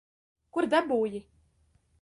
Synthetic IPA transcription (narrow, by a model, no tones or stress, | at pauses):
kuɾd̪abuːji